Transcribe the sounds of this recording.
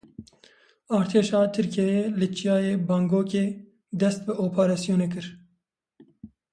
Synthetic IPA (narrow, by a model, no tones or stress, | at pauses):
ɑːɾt̪ʰeːʃɑːt̪ʰɨɾkɛjeːlɪt͡ʃijɑːjeːbɑːŋɡoːkeː | d̪ɛst̪̚bɨʔoːpʰaɾɑːsijoːneːk̬ɨɾ